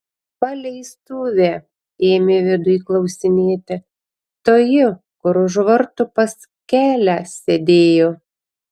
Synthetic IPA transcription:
pɐlʲɛɪst̪uːʋʲe | eːmʲeːʋʲɪd̪ʊiklˠɐʊsʲɪnʲeːt̪ʲɪ | t̪oːjɪ | kʊɾʊʒʋɐɾt̪ʊpɐs | kʲæːlʲæsʲɛd̪ʲeːjoː

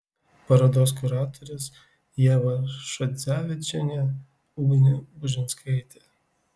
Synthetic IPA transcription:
pɐɾɐd̪oːs̬kʊɾɑːt̪ʰɔɾʲʊs | jɛːʋɐʃɔd̪zʲæːʋʲɪt͡ʃʲɛnʲɛ | uɡʲnʲɪbʊʒʲɪnskʰɐɪt̪ʲe

